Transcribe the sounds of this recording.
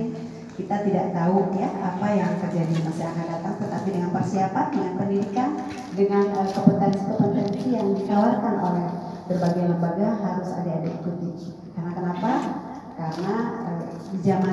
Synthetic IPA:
ŋ | kit̪at̪ida̰ʔt̪aʊjaʔapajaŋkərd͡ʒadimasiakandat̪aŋt̪ət̪apidəŋanpərsiapandəŋanpəndidikan | dəŋanohkəpət̪anisi̥k̪əpənənt̪ijaŋdikawarkano̰lɛh | bərbaɡajləmbarɡaɦaɾʊsa̰daːdaḭkut̪i | kaɾənakənapa | kaɾənaə | d͡ʒama

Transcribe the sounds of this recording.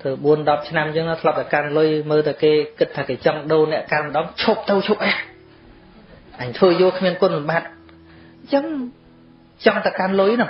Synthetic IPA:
t̪ɨwɓuənɗɑp̚t͡ɕʰnamjəːŋnɔt̪ʰlɑp̚t̪awkanlʊjməːlt̪awkeːkɨt̪ʰːaːkeːt͡ɕɑŋɗoːnɛ̆əʔkalmə̆ɗɑːŋt͡ɕʰop̚t̪ɨwt͡ɕʰop̚ʔa | ʔaɲt̪ʰʋəːjʊ̆əlkʰmiənkʊ̆ənlɑmɓaːt̪̚ | t͡ɕəŋ | t͡ɕɑŋt̪awkanlʊjnɔ

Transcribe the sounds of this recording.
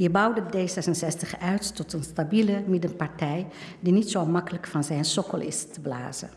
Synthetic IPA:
ɦibʌwdədejsɛsənsɛstəχœɥttɔtənstabiləmɪdənpɑɹtɛjdinitsomɑkələkfɑnzɛjnsɔkəlˠɪ̰stəbla̰ːzə̰

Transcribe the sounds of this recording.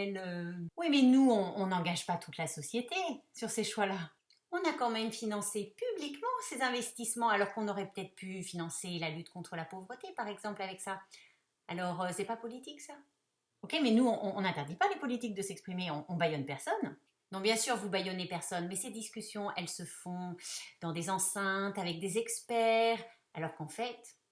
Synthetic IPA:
ɛløwimɛnuɔ̃ɔ̃nɑ̃ɡaʒpat̪ʰut̪lasɔsjet̪esyʁseʃwala | ɔ̃nakɑ̃mɛmfinɑ̃sepyblikmɑ̃sezɛ̃vɛst̪ismɑ̃alɔʁkɔ̃nɔʁɛpø̥t̪ɛt̪χə̥pʰyfinɑ̃selalyt̪kɔ̃t̪χəlapovʁət̪epaʁɛɡzɑ̃plavɛksa | alɔʁøsɛpapɔlit̪iksa | ɔkʲemɛnuɔ̃ʔɔ̃ːnɛ̃t̪ɛʁd̪ipalepɔlit̪ik̚d̪əsɛkspχimeɔ̃ʔɔ̃bajɔnpɛʁsɔn | nːɔ̃bjɛ̃syʁvubajɔnepɛʁsɔnmɛsed̪iskʲysjɔ̃ʔɛlsəfɔ̃d̪̥ɑ̃d̪ezɑ̃sɛ̃t̪avɛk̚d̪ezɛkspɛʁ | alɔʁkɑ̃fɛt̪

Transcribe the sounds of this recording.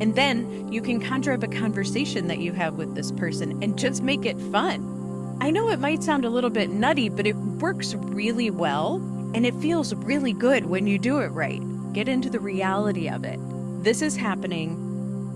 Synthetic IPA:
ɨ̃nðɨ̃n | jɨkʰɨ̃nkʰɑ̃ntɹ̥ɛpɨkʰɑ̃ɱvə˞seɪʃɨ̃nðɨ̰t͡ʃɨɨvwɨðɪspʰɜ˞sɨ̃nɨ̃nd͡ʒʌst̚meɪkɪtfʌ̃n | ʔaɪnoʊɨt̚maɪtsãʊ̃ndəlɪɾl̩ˠbɪtⁿnʌɾibʌɾɨt̚wɜ˞ks | ɹɪlˠiwɛlˠ | ɨ̃nɨtfilˠzɹɪlˠiɡʊd̚wɨ̃njɨdɨɪt̚ɹa̰ɪt̚ | ɡ̥ɛɾɪ̃ntʉðɨɹiælˠəɾiʌ̰vɪ̰t̚ | ðɪsɨz̥hæpɨnɪ̃ŋ

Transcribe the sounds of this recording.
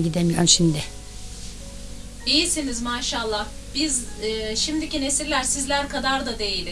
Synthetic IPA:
ɟid̪emijøɾnʃimd̪ɪ | ijisinizmaːʃalˠːah | b̥izːʃimd̪icine̞siɾlʲæɾsizlʲæɾkʰad̪aɾd̪ad̪e̞jilʲ

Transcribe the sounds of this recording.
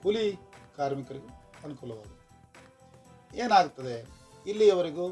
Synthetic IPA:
hulikaːɾmikɐɾiɡuɐnukulːɐʋaːd̪u | eːnaːɡut̪ːɐd̪eilːiɛʋɐɾiɡu

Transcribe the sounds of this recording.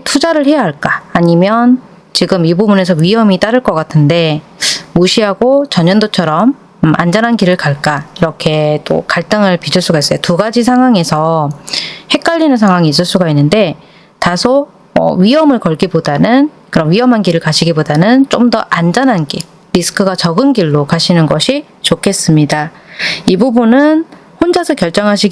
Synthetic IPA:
tʰud͡ʑaɾɯɭhe̞jaɦaɭk͈aːɲimjʌn | t͡ɕiɡɯmibubune̞sʰʌɥiɦʌmit͈aɾɯɭk͈ʌk͈atʰɯnde̞ | moɕʰiɦaɡot͡ɕʌɲʌndot͡ɕʰʌɾʌm | ʔa̰nd͡ʑʌnɦankiɾɯɭkaɭk͈aiɾʌkʰe̞t͈o̰kaɭt͈ɯŋɯɭpid͡ʑʰɯɭs͈uɡais͈ʌjotuɡad͡ʑis̬ʰaŋɦwaŋe̞sʰʌ | he̞k͈̚aʎːinɯnsʰaŋɦwaŋiːs̬͈ɯɭs͈uɡainːɯnde̞ | tasʰo | ʌ̰ɥiʌmɯɭkʌɭɡibodanɯn | kɯɾʌnɥiɦʌmɦanɡiɾɯɭkaɕʰiɡibodanɯnt͡ɕ͈omdʌʔand͡ʑʌnɦanɡḭ | ɾisʰɯ̥kʰɯɡat͡ɕʌɡɯnɡiɭːokaɕʰinɯnɡʌɕʰi | t͡ɕokʰe̞s͈ɯmɲida | ibubunɯn | hond͡ʑasʰʌkjʌɭt͡ɕ͈ʌŋɦaɕʰiɡ

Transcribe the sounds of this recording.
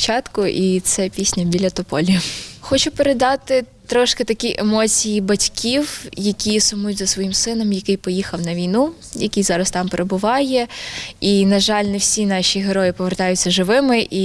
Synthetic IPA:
t͡ʃɑt̪kʊʔit̪sɛpʲisʲnʲɐbʲilʲɐt̪ɔpɔlʲiɐxɔt͡ʃʊpeɾed̪ɑt̪ɪt̪ɾɔʃket̪ɐkʲiʔemɔt͡sʲijibɐtʲkʲʰiwjɐkʲisʊmujʊtʲzɐsʋɔjimsɪnɛmjɐkɪjpɔjixɐwnɐʋʲijnu | jɐkʲijzɑɾɐst̪ɑmpeɾebʊʋɑjɛinɐʒɑlʲnɛwsʲinɑʃʲiɦeɾɔjɪpɔʋert̪ɑjʊt͡sʲt͡sʲːɐʒɪʋɪmɪʔi

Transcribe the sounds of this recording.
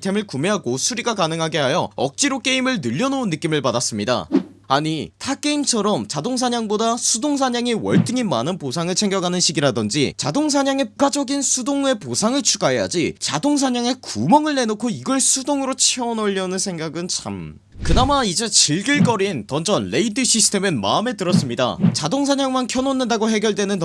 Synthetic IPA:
tʰe̞mɯɭkume̞ɦaɡosʰuɾiɡakanɯŋɦaɡe̞ɦajʌʌ̰k̚t͡ɕ͈iɾok͈e̞imɯɭnɯʎːʌnounːɯk͈imɯɭpadas͈ɯmɲida̰ | aɲitʰak͈e̞imt͡ɕʰʌɾʌmt͡ɕadoŋs̬ʰaɲaŋbodasʰudoŋs̬ʰaɲaŋiwʌɭt͈ɯŋinma̰nɯnposʰaŋɯɭt͡ɕʰe̞ŋɡjʌɡanɯnɕʰiɡiɾadʌnd͡ʑit͡ɕadoŋs̬ʰaɲaŋe̞puɡad͡ʑʌɡinsʰudoŋe̞posʰaŋɯɭt͡ɕʰuɡaɦe̞ja̰d͡ʑit͡ɕadoŋs̬ʰaɲaŋe̞kumʌŋɯɭne̞nokʰoiɡʌɭsʰudoŋɯɾot͡ɕʰeʌnʌʎːʌnɯnsʰeŋɡaɡɯnt͡ɕʰam | kɯnamaid͡ʑe̞t͡ɕiɭɡiɭk͈ʌɾintʌnd͡ʑʌnle̞idɯɕʰisʰɯ̥tʰe̞mɯnma̰ɯme̞tɯɾʌs͈ɯmɲida̰t͡ɕadoŋs̬ʰaɲaŋmankʰjʌnonːɯndaɡoɦe̞ɡjʌɭdwe̞nɯn

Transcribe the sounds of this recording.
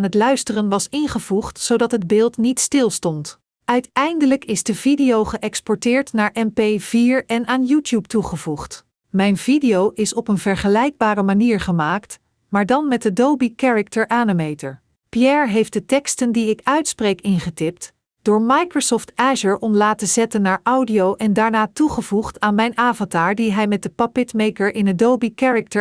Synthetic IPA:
nɦətlœɥstərənʋɑsɪnχəvuχtsowdɑtɦəd̚bɪːlˠtnitstɪlˠstɔnt | ʔœɥtɛjndələkɪzdəvidijowχəʔɛkspɔɹtɪːɹtnaːɹʔɛmpejviːɹɛnaːnjuːtjup̚tuχəvuχt | mɛjnvidijowʔɪsɔpənvɛɹχəlɛjɡ̚baːɾəmaniːɹχəmaːkt | maːɹdɑnmɛt̚dədowbikɛɹək̚təɹʔaːnəmejtəɹ | pjɛɹɦejft̚dətɛkstəndiɪkœɥtsprejkɪnχətɪpt | d̥ʊːɹmɑjkrosɔftɛʒəɹɔmlaːtəzɛtənːaːɹʔʌwdiowʔɛndaːɹnaːtuχəvuχtaːnmɛjnaːvɔntaːɹdiɦɛjmɛt̚dəpɑpɪtmejkəɹɪnədowbikɛɹək̚tə

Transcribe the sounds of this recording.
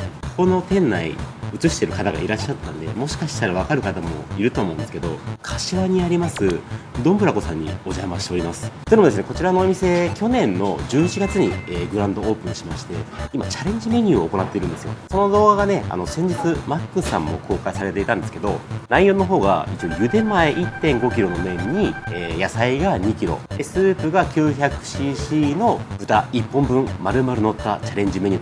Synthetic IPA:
kono̞t̪ẽ̞nːaḭɯ̟t͡sɨɕi̥t̪e̞ɾɯ̟kat̪aɡa̰iɾaɕːat̪ːãnd̪e̞̰mo̞ɕi̥kaɕi̥t̪aɾaβ̞akaɾɯ̟kat̪amo̞̰iɾɯ̟t̪o̞aːmo̞ɯ̃sɨ̥ke̞d̪o̞̰kʰḁɕiβaɲ̟iaɾʲimasɨd̪õ̞mbɯ̟ɾako̞sãɲ̟ːḭo̞ʑamaɕi̥t̪eo̞ɾʲimasɨ̥oinmd̪esɨneko̞t͡ɕiɾanoːmʲise̞kʲo̞nẽ̞nːo̞̰d͡ʑɨːt͡ɕiɡat͡sɨɲ̟ḭeːɡɯ̟ɾãnd̪o̞oːpɯ̟̃ɕimaɕi̥t̪e̞̰ima̰t͡ɕaɾẽ̞ɲ̟d͡ʑime̞ɲ̟ʲɨːoːko̞nat̪ːe̞iɾɯ̟̃nd̪e̞sɨjo̰so̞no̞d̪o̞ːɡaɡane̞a̰no̞sẽ̞ɲ̟d͡ʑit͡sɨmakːɯ̟sã̰mːo̞̰kʰo̞ːkaisaɾe̞t̪e̞it̪ãnd̪e̞sɨ̥ke̞d̪o̞naijo̞nːo̞ɦo̞ːɡa̰it͡ɕojɯ̟d̪ẽ̞mːaeʔit̪ːẽ̞ŋɡo̞kʲiɾo̞nomẽ̞ɲːieːjasaiɡaɲ̟ikʲiɾo̞̰d̪̥e̞sɨːpɯ̟ɡakʲɨːçakɯ̟̥ɕiɕino̞bɯ̟t̪aipːõ̞mbɯ̟̃ɴmaɾɯ̟maɾɯ̟no̞t̪ːa̰t͡ɕaɾẽ̞ɲ̟d͡ʑime̞ɲ̟iː

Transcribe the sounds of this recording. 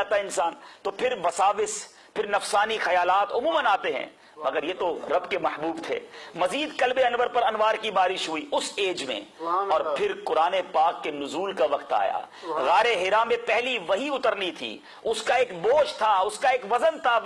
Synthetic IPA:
t̪aɪnsaːnt̪opʰɪɾʋɐsaːʋɪs | pʰɪɾnɐfsaːnixɐjaːlaːt̪ʊmuːmə̃naːt̪eɦɛ̰̃ː | mɐɡəɾjeːt̪oɾɐbkemɐħbuːbt̪ʰḛːmɐziːd̪kɐlbeɐnʋəɾpɐɾɐnʋaːɾkibaːɾɪʃɦʊiʊseːd͡ʒmḛ̃ɔːɾpʰɪɾkʊɾaːnepaːkːenʊzuːlkaʋɐqt̪a̰ːja̰ːɣaːɾeɦɪɾamːẽpɛɦliʋɐɦiʊt̪əɾnit̪ʰḭː | ʊskaeːkboːʃt̪ʰaʊskaeːkʋɐzənt̪ʰa

